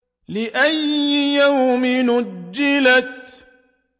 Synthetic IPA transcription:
lɪʔajːɪjawmɪnʊd͡ʒːɪlat̪

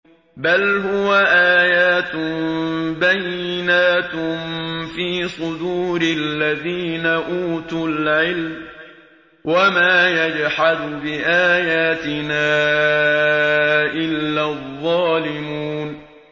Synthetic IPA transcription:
balɦʊwaʔaːjaːt̪mbajːɪnaːt̪mfiːsˤʊd̪uːɾɪlːaðiːnaʔuːt̪ʊlʕɪlm | wamaːjad͡ʒħad̪bɪʔaːjaːt̪ɪnaː | ʔɪlːaːðˤːɑːlɪmuːn

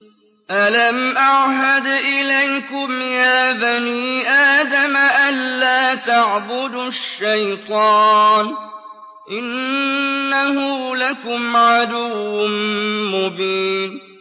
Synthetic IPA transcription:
ʔalamʔaʕɦad̪ʔɪlajkʊmjaːbaniːʔaːd̪amaʔanːaːt̪aʕbʊd̪ʃːajt̪ˤɑːn | ʔɪnː | ahʊːlakʊmʕad̪ʊː | mʊbiːn

